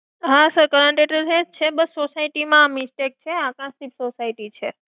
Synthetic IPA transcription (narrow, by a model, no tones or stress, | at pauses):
ɦasəɾkəɾə̃ɳʈeʈəɾɦẽst͡ʃʰebəsːosaiʈimãmisʈek̚t͡ʃʰeakãsipsosaiʈit͡ʃʰe